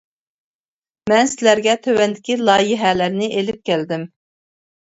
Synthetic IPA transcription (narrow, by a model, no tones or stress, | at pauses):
mɛnsɪlæɾɡʲɛt̪ʰøwɛnd̪ɪkʲilˠɑːjɪɦɛlæɾnɪʔelɪp̚kʲæld̪ɪm